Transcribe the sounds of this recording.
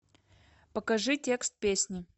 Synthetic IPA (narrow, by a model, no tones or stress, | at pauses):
pəkɐʐɨtʲe̞kst̪̚pʲesʲnʲɪ